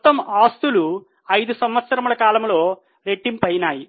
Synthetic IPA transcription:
t̪ːɐmaːst̪ulu | ɐjd̪usɐmʋɐt̪sɐɾɐmuɭɐkaːlɐmlo̞ː | ɾe̞ʈːimpɐjnaːji

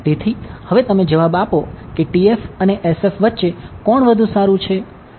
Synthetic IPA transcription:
t̪et̪ʰihəʋet̪əmed͡ʒəʋabapokeʈiefəneʔesefʋət̪ːʃekɔɳʋəd̪ʱũsaɾũt͡ʃʰe

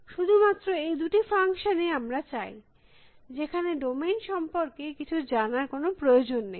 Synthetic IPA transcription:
ʃud̪ʱumat̪ːɾoejd̪uʈifaŋʃoneamɾat͡ɕaj | d͡ʑekʰaneɖomenʃɔmpoɾkekit͡ɕʰud͡ʑanaɾkonopɾojod͡ʑonːej

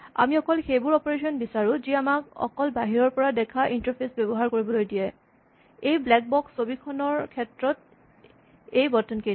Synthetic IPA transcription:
a̰miɔkɔlxejbʊɹɔpɔɹesɔnbisaɹuziamakɔ̰kɔlbaɦiɹɔɹpɔɹadɛkʰaʔintɔɹpʰesbɛbɔɦaɹkoɹibɔlojdijɛ | ejblɛk̚bɔksobikʰɔnɔɹkʰɛtɹɔt̚ | ejbɔtɔnke

